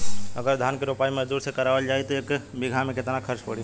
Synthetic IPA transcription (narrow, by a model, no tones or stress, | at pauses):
əɡəɾd̪ʱankeɾupaiməd͡ʒd̪uɾsekəɾabəld͡ʒajt̪ɔekbiɡʱameket̪nakʰəɾt͡ʃpɔ̰ɽi